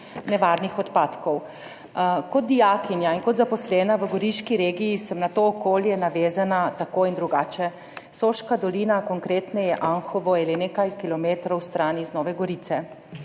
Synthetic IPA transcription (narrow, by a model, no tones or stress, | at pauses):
nɛʋaːɾnixɔt̪paːt̪kɔw | kɔt̪̚d̪ijaːkinjainkɔt̪zapɔslɛːnaʋəɡɔɾiʃkiɾeːɡijisəmnat̪oːkoːljɛnaʋeːzanat̪akoːind̪ɾuɡaːt͡ʃɛ | soːʃkad̪ɔliːnakɔŋkɾeːt̪nɛjɛʔaŋxɔʋɔilɛnekajkilɔmeːt̪ɾɔwst̪ɾaːniznɔːʋɛɡɔɾiːt̪sɛ